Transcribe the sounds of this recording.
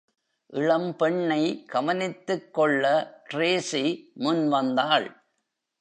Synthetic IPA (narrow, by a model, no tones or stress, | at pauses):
ʔɪɻɐmpɛɳːɐɪɡ̥ɐmɐnɪt̪ːɯkːɔɭːɐʈɾeːsimʊnʋɐnd̪aːɭ